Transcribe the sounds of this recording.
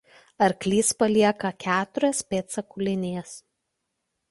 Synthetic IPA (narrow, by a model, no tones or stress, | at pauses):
ɐɾklʲiːspɐlʲiɛkɐkʲæːt̪ʊɾʲɛspʲeːt̪sɐkʊlʲɪnʲeːs